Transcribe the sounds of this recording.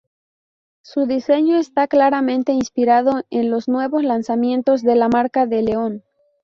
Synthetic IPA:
suðise̞ɲo̞est̪aklaɾamẽ̞nt̪e̞inspiɾaðo̞enlo̞sznwe̞βo̞slansamjẽ̞nt̪o̞zðe̞lamaɾkaðe̞leo̞n

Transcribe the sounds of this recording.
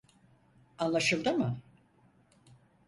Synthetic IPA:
anlˠaʃɯlˠd̪ɯmɯ

